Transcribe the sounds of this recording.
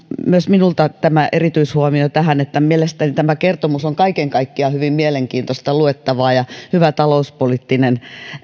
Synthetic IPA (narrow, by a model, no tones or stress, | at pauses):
myøsminult̪ɑt̪æmæʔerit̪yishuomiot̪æhænet̪ːæmielest̪ænit̪æmækert̪omusoŋkɑikeŋkɑikːiɑhyʋimmieleŋkiːnt̪ost̪ɑluet̪ːɑʋɑːjɑhyʋæt̪ɑlouspolit̪ːinen